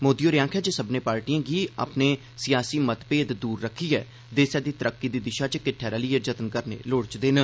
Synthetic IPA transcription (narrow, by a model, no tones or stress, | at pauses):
moːd̪ijoːɾɪjãːŋkʰɛːd͡ʒesəbnẽːpaːɾʈiːãːɡiːa̰ːpneː | sɪjaːsiːmət̪peːd̪d̪uːɾːəkʰːiːɦɛː | d̪eːsɛːd̪iːt̪əɾəkːiːd̪iːd̪ɪʃaːt͡ʃkɪʈʰːɛːɾaːləiːed͡ʒət̪ənkəɾnḛːloːɽt͡ʃd̪eːnə